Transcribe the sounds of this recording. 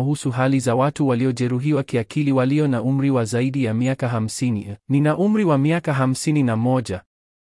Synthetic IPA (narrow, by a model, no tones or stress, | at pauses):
uhusuɦalizawatuwaliɔʄɛɾuɦiwakiakʰiliwaliɔnaum̩ɾiwazaiɗijamiakaɦam̩sinininaʔum̩ɾiwamiakaɦam̩sininamɔʄa